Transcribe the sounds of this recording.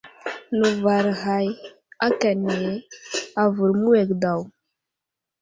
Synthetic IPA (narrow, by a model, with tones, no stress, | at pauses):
nu˨va˨ɾɦa˨j | a˦ka˨ne˨a˨vu˨ɾmu˦we˨kda˨w